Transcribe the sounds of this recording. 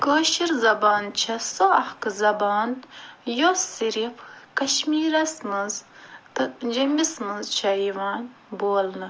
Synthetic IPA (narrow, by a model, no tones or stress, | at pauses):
koːʃiɾzɐbaːnt͡ʃʰɐsoɐhkɨzɐbaːnjosiɾifkɐʃmiːɾɐsmɐnzt̪ɐd͡ʒɐmbismɨnzt͡ʃʰɐjiʋaːn | boːlnɨ